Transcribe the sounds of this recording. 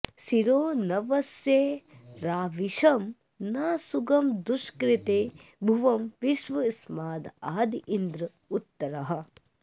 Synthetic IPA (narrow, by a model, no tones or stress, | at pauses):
siɾoːnɐʋɐsjeːɾaːʋiʃɐm | naːsuɡɐmd̪uʃkɾit̪eːbʱuʋɐmʋiʃʋɐsmaːd̪aːd̪iʔind̪ɾɐ | ut̪ːɐɾɐɦɐ̆